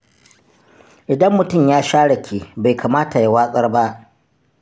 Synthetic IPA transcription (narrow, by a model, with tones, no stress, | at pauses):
ʔɪ˨dɐ˦mːʊ˦tʊ˦˨mjaː˦ʃaː˦ɽɐ˨kʰʲeː˨ba˨jkʰaː˨maː˦ta˨ja˦waː˦sʼɐ˦rba˦ʔ